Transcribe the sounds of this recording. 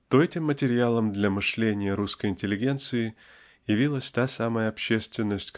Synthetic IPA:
t̪oɛtʲɪmːətʲɪɾʲɪalˠəmd̪lʲɐmɨʂlʲenʲɪjəɾuskəjɪnʲtʲɪlʲɪɡʲe̞nt̪sɨɪ | jɪvʲilˠəsʲt̪asaməjəɐpɕːe̞st̪vʲɪnːəsʲtʲk

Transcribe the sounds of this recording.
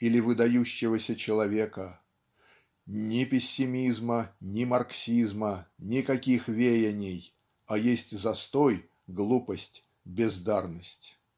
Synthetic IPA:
ilʲɪvɨd̪ɐjuɕːɪvəsʲət͡ɕɪlˠɐvʲekə | nʲɪpʲɪsʲːɪmʲizmənʲɪmɐrksʲizmənʲɪkɐkʲixvʲejɪnʲɪj | ɐjesʲtʲzɐst̪oj | ɡlˠupəsʲtʲ | bʲɪzd̪arnəsʲtʲ

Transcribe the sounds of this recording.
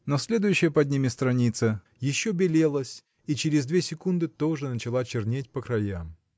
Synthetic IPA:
nosʲlʲe̞d̪ʊjʉɕːɪjəpɐd̪ʲnʲimʲɪst̪ɾɐnʲit̪sə | jɪɕːobʲɪlʲelˠəsʲ | it͡ɕɪɾʲɪzd̪vʲesʲɪkund̪ɨt̪o̞ʐɨnət͡ɕɪlˠat͡ɕɪrnʲetʲpəkɾɐjam

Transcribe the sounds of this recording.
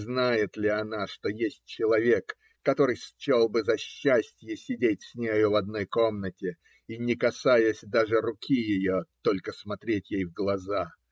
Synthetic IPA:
znajɪt̪lʲɪɐnaʂt̪o̞jesʲt̚ʲt͡ɕɪlˠɐvʲe̞kː | ɐt̪o̞ɾɨjst͡ɕelˠbɨzɐɕːæsʲtʲjəsʲɪdʲet̚ʲsʲnʲejʊvɐd̪̚no̞jko̞mnətʲɪ | inʲɪkɐsajəsʲd̪aʐɨɾʊkʲijɪjot̪o̞lʲkəsmɐt̪ɾʲetʲjejvɡlˠɐza

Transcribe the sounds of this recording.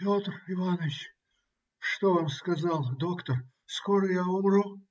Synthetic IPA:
pʲot̪rɪvanəɪt͡ɕʲ | ʂt̪ovamskɐzalˠd̪okt̪ər | skoɾəjaʊmru

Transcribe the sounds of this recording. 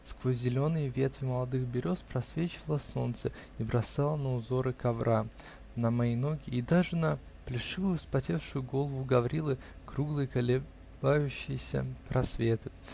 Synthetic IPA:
skvozʲzʲɪlʲo̞nɨjəvʲe̞t̪vʲɪməlˠɐd̪ɨxbʲɪɾʲo̞spɾɐsvʲet͡ɕɪvlˠəso̞̰nt̪sə | ibɾɐsalˠənəʊzo̞ɾɨkɐvɾʔa | nəmɐijno̞ɡʲɪːd̪aʐɨnə | plʲɪʂɨvʊjʊspɐtʲe̞fʂʊjʊɡo̞lˠəvʊɡɐvɾʲilˠɨ | kɾuɡlˠɨjəkɐlʲɪ | bajʉɕːɪjɪsʲə̰pɾʔɐsvʲe̞t̪ɨ

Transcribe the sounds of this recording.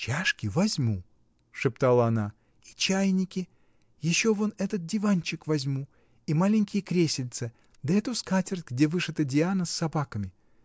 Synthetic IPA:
t͡ɕaʂkʲɪvɐzʲmu | ʂɨpt̪alˠəɐna | it͡ɕæjnʲɪkʲɪ | jɪɕːovonɛt̪ət̪̚dʲɪvanʲt͡ɕɪkvɐzʲmu | imalʲɪŋʲkʲɪjəkɾʲesʲɪlʲt̪sɨ | d̪əɛt̪ʊskatʲɪrt̪ʲɡdʲevɨʂɨt̪ədʲɪanəsːɐbakəmʲɪ

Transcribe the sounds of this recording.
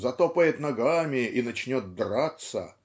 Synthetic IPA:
zɐt̪opəjɪt̪nɐɡamʲɪʔinɐt͡ɕnʲo̞t̪̚d̪rat̪sə̰

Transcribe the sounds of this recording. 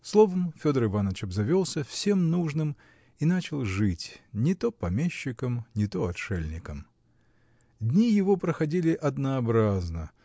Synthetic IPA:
slˠo̞vəmfʲod̪əɾɨvanət͡ɕɪbzɐvʲo̞lˠsʲəfsʲe̞mnuʐnɨm | inat͡ɕɪlˠʐɨtʲnʲɪt̪o̞pɐmʲeɕːɪkəmnʲɪt̪o̞ɐtʂɛlʲnʲɪkəm | d̪ʲnʲijɪvo̞pɾəxɐdʲilʲɪʔɐd̪nəɐbɾaznə

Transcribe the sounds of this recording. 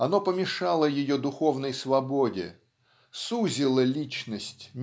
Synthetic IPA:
ɐno̞pəmʲɪʂalˠəjɪjod̪ʊxo̞vnəjsvɐbo̞dʲɪ̰ | suzʲɪlˠəlʲit͡ɕnəsʲtʲnʲ

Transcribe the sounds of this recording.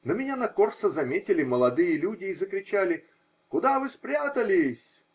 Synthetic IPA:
nəmʲɪnʲanɐko̞rsəzɐmʲetʲɪlʲɪməlˠɐd̪ɨjəlʲudʲɪːzəkɾʲɪt͡ɕælʲɪ | kʊd̪avɨspɾʲat̪əlʲɪsʲ

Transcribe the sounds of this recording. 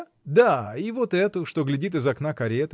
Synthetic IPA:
d̪aivo̞t̪ɛt̪ʊʂt̪o̞ɡlʲɪdʲit̪̬ɨzɐknakɐɾʲet̪

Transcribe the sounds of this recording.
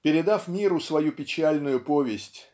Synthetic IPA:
pʲɪɾʲɪd̪afmʲiɾʊsvɐjupʲɪt͡ɕalʲnʊjʊpovʲɪsʲtʲ

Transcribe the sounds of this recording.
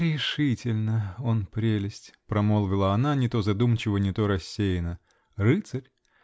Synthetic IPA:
ɾʲɪʂɨtʲɪlʲnəo̞npɾʲelʲɪsʲtʲpɾɐmolˠvʲɪlˠəɐnanʲɪt̪o̞zɐd̪umt͡ɕɪvənʲɪt̪o̞ɾɐsʲːejɪnə | rɨt̪səɾʲ

